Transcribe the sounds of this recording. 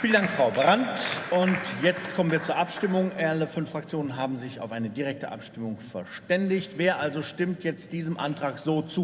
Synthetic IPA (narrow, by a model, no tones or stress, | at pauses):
fiːlən̩daŋkfʁ̥aʊbəʁantʊntjɛt͡stkʰɔmənviːɐt͡suːɐʔapʃtɪmʊŋʔɛɐləfʏnfʁ̥akt͡sjoːnənɦaːbm̩zɪça̰ʊfʔaɪnədiʁɛk̚təʔa̰pʃtɪmʊŋfɛɐʃtɛndɪçtv̥eːɐʔalzoʃtɪmtjɛt͡st̚d̥iːzəmʔa̰ntʁ̥aːkz̥oːt͡suː